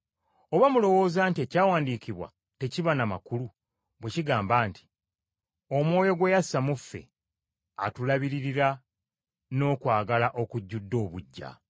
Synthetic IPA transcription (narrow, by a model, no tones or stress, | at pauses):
o̞βamulo̞wo̞ːzaːntie̞caːwaːndiːciβwa̰ | te̞ciβanamakulu | bwe̞ciɡaːmbaːnti̥ | o̞mwo̞ːjo̞ɡwe̞jasamufːe̞̰ | a̰tulaβiɾiɾiɾa | no̞ːkwaːɡalaʔo̞kuɟːudːo̞ːβuɟːa̰